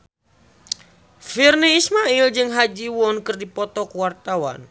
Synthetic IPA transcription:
firniismaild͡ʒɨŋɦad͡ʒiwɔnkɨrdipɔt̪ɔkuwart̪awa̰n

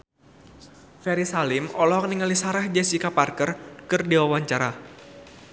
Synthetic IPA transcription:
fɛɾisalɪmɔlɔk̚niŋəlisaɾɛhd͡ʒɛsikaparkərkɨrdiwawaɲt͡ʃaɾa

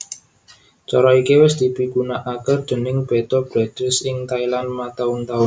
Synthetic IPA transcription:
t͡ʃɔɾɔikewɪsd̪̥i̤pikunaʔakərd̪̥ə̤nɪŋb̥et̪ɔb̥ɾɛd̪̥ɾɪsɪŋt̪ailanmat̪aʊnt̪aʊn

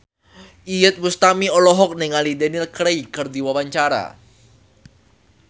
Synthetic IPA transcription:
ʔijət̪̚must̪amiɔlɔɦɔk̚niŋalidɛnilkɾeikɨrdiwawaɲt͡ʃaɾa̰

